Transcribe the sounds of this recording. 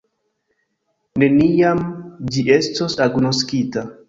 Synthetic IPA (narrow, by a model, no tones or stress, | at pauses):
ne̞nijamd͡ʒiʔe̞stosaɡnoskita